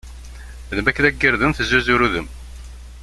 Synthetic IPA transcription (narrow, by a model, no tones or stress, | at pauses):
ðəmækːnæɡːəɾðəmθəzːuzuɾuðəm